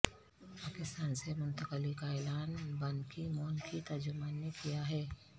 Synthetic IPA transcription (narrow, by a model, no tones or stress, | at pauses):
paːkɪst̪aːnsemʊ̃nt̪əqəlikaɛːlaːnbɐ̃nkimoːnkit̪ɐɾd͡ʒʊmaːnːekijaɦɛː